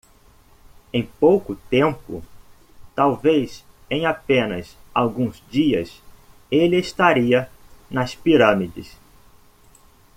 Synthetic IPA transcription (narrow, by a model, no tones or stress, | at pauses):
ẽj̃powkʊt̪ẽmpʊ̰ | t̪awvejs | ẽj̃apẽnɐ̰sawɡũzd͡ʒiɐ̰s | elɪest̪aɾiɐ | nɐspiɾɐ̃mid͡ʒɪ̰s